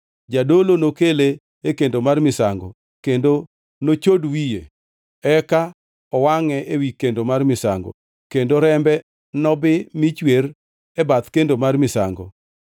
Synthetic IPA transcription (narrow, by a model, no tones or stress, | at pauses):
d͡ʒadolonokele | ekendomarmɪsaŋɡɔ̰ | kendo | not͡ʃodwije | ɛka | ɔwaŋɛʔewikendomarmɪsa̰ŋɡɔ̰ | kendoɾɛmbɛ | nɔbɪmɪt͡ʃwer | ɛbat̪kendomarmɪsa̰ŋɡɔ̰